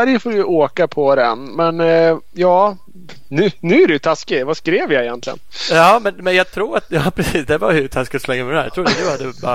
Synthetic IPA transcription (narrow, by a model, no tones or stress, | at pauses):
æɾjəfoːɾjəʔoːkapʰɔd̪ɛ̰nmɛn | jɑː | nʉːnʉ̟ːæɾɪjɵt̪ʰaskɪvaskɾeːvjaɛjɛnt̪lɪɡə̰njɑːmɛnmɛnjɑɡ̚t̪ʰɾuːɾat̪jɑːpʰɾɛsiːsd̪ɛvaɵt̪ʰaskɪt̪ɔslɛŋːamɛɛnæɾjɑ̰t̪ʰɾuːɾat̪̚d̪ʉhad̪ːəb